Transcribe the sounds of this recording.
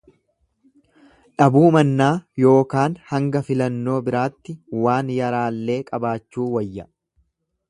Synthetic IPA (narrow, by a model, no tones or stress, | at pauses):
ᶑɐbuːmɐnːaːjo̞ːkaːnhɐŋɡɐfɪlɐnːo̞ːbɪɾaːt̪ːɪwaːnjɐɾaːlːe̞ːkʼɐbaːt͡ʃːuːwɐjːɐ